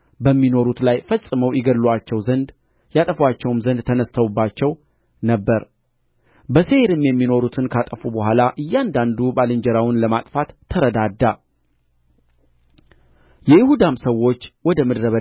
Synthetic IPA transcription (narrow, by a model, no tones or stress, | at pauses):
bəmːino̞ɾut̪lajfəsʼːɨməwjɪɡəlːwat͡ʃːɛwzənd̪ | jat̪ʼəfwat͡ʃːɛwmzənd̪t̪ʰənəst̪ʰəwubːat͡ʃːɛw | nəbːəɾ | bəseɾɨmjɛmːino̞ɾut̪ʰɨnkʰat̪ʼəfubəhʷalaʔɨjːand̪and̪ubalɨɲd͡ʒəɾawʊnləmat̪ʼfat̪ʰːəɾəd̪ad̪ːa | jɛjɪhud̪amsəwːo̞t͡ʃːwɔd̪əmɨd̪ɾəβə